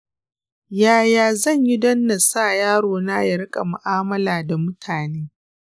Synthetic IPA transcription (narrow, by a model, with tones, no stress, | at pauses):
jaː˦˨jaː˨zɐ˦˨ɲji˦dɐ˦nːɐ˨sa˦˨jaː˦ɽoː˨naː˦jɐ˨ɽɪ˦kʼa̰˨mʊ˨ʔaː˦mɐ˦laː˨da˨mʊ˦tʰaː˨neː˦